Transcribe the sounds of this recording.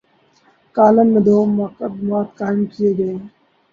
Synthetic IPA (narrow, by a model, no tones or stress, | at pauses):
kaːlənmẽːd̪ʱoːmːaːkəd̪maːt̪kaːɪmkijeːɡəeː